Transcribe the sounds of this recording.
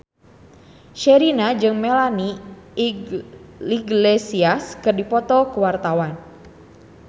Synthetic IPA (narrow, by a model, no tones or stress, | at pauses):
ʃɛɾinad͡ʒɨŋmɛlani | iɡlesiaskɨrdipɔt̪ɔkuwart̪awan